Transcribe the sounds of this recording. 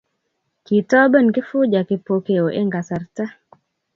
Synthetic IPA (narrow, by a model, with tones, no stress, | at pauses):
ki˨tɔ˦bə˦˨nkɪ˦fʊ˦d͡ʒa˨kɪ˨po˨ke˨o˨ʔe˦ŋɡa˨sa˨rta˦